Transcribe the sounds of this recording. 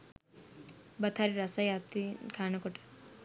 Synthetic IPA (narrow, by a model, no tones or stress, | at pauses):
bɐt̪ʰaɾiɾɐsajat̪ikʰaːnɐkɔʈɐ̥